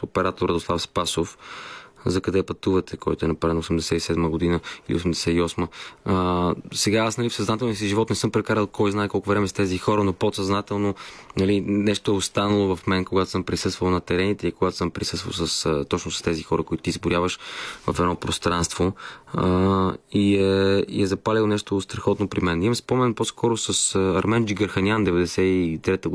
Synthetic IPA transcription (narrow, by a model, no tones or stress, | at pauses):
opɛɾat̪oɾəd̪oslˠafspasof | zɐkɐd̪ɛpɐt̪uvɐt̪ɛkɔ̰jt̪ʊɛnɐpɾaɾɛnosɛmd̪ɛsɛt̪isɛd̪məɡod̪inəilḭo̰sɛmd̪ɛsɛiɔsmə | sɛɡaasnɐlifsɐznat̪ɛlˠnisiʒivɔt̪nɛsɤmpɾɛkaɾəlˠkɔjznaɛkɔlˠkʊvɾɛmɛzt̪ɛzixɔɾənopot̪sɐznat̪ɛlˠnonɐlinɛʃt̪oɛost̪anɐlˠovɐfmɛnkoɡat̪o̥sɤmpɾisɤst̪vəlˠnɐt̪ɛɾɛnit̪ɛikoɡat̪o̥sɤmpɾisɤst̪və̰lˠsəst̪ɔt͡ʃnosɐ̥st̪ɛzixɔɾəkoit̪ʊt̪izbʊɾʲjavəʃvɐfɛd̪nɔpɾost̪ɾanst̪vo | iɛiɛzɐpalʲilˠnɛʃt̪ost̪ɾɐxɔt̪nopɾimɛnimmspɔmɛnposkɔɾosɐsəɐɾmɛnd͡ʒiɡɐɾxɐnʲand̪ɛvɛd̪ɛsɛit̪ɾɛt̪ə